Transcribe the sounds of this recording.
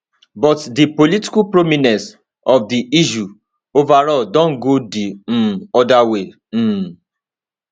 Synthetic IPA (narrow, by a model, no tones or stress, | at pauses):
bɔtdipoliti̥kupɾominɛ̃s | ɔfdiʔiʃu | ovaɾɔdɔ̃ŋ̩ɡodĩɔdawẽ